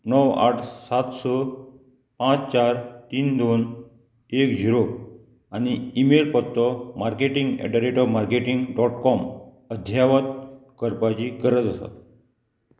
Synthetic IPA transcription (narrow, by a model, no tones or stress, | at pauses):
nəwa̰ʈʰsat̪sɔ | pãt͡st͡ɕaɾt̪iːnd̪on | ekd͡ʑiɾo | añiːmelpɔt̪ːɔmaɾkeʈiŋɡɛ̰ɖəɾeʈɔʋmaɾkeʈiŋɡɖɔʈkɔm | əd̪ʱjaʋət̪̚kəɾpat͡ɕikəɾət͡səsa̰t̪